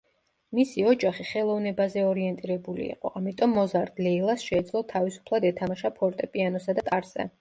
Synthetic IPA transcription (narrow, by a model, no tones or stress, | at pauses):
misiɔd͡ʒaχiχɛlˠɔvnɛbazɛɔɾiɛnt̪ʼiɾɛbulḭːqʼɔʔamit̪ʼɔmːɔzaɾd̪lɛilˠasʃɛːd̪zlˠɔt̪ʰavisu̥pʰlˠad̪ɛt̪ʰamaʃapʰɔɾt̪ʼɛpʼianɔsad̪at̪ʼaɾzɛ̰